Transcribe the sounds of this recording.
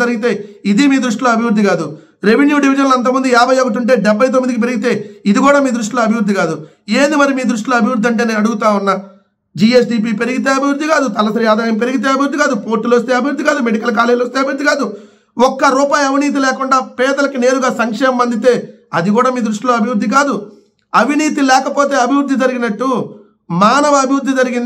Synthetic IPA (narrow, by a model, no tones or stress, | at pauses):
ɐɾiɡit̪e̞ːid̪imiːd̪ɾuʂʈiloːɐbʱiʋɾud̪ːiɡaːd̪u | ɾe̞ʋenjuːɖiʋid͡ʒɐnlɐnt̪̬ɐmund̪uaːbʱɐjɔkɐt̪̬uɳʈ̬e̞ːɖɛbʱːɐjt̪̬omːid̪ikip̬eɾiɡit̪e̞ːid̪iɡuːɽaːmiːd̪ɾuʂʈiloːɐbʱiʋɾud̪ʱːiɡaːd̪u | eːnd̪imɐɾimiːd̪ɾuʂ̬ʈiloːɐbʱiwɾud̪ʱiɐɳʈ̬eːneːnɐɽuɡut̪aːwunːaː | d͡ʒiːes̬ɖiːp̬iːpe̞ɾiɡit̪̬e̞ːɐbʱiʋɾd̪ʱːiɡaːd̪ut̪ɐlɐsɐɾiaːd̪aːjɐmp̬e̞ɾiɡit̪e̞ːɐbʱiʋɾd̪ːiɡaːd̪upoːɾʈːulʋɐst̪e̞ːɐbʱiwɾd̪ːiɡaːd̪umeɽikɐlk̬aːlejlost̪eːɐbʱiʋɾd̪iɡaːd̪u | ɔkːɐɾuːpaːjɐʋiniːt̪̬ilɛːkuɳɖaːpɛːd̪ɐlɐkine̞ːɾuɡaːsɐŋkʂɛːmɐmɐnd̪it̪e̞ː | ɐd̪ikuːɽaːmiːd̪ɾuʂʈilo̞ːɐbʱiʋɾud̪ʱːikaːd̪u | ɐʋiniːt̪ilɛːkɐpo̞ːt̪e̞ːɐbʱiʋɾud̪ʱːid͡ʒɐɾiɡinɐʈːu | maːnɐʋɐɐbʱiʋɾd̪ʱːid͡ʒɐɾiɡin